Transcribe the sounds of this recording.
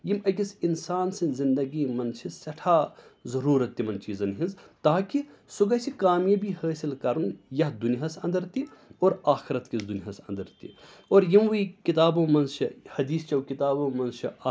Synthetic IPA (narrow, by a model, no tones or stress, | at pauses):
jimɐkisinsaːnsĩnzind̪ɐɡiːmɐnt͡ʃʰisɐʈʰaːzɐɾuːɾɐt̪ːimɐnt͡ʃiːzɐnɦĩnzt̪aːkisuɡɐsikaːmjɐbihəːsilkɐɾunjɐhd̪uniɦasɐ̰̃nd̪ɐɾt̪ioːɾaːxiɾɐt̪kisd̪unɦɐsɐ̃nd̪ɐɾt̪ḭ | oːɾjimʋuikit̪aːbõːmɐnzt͡ʃʰihɐd̪iːst͡ʃɐwkit̪aːbõːmɐnzt͡ʃʰi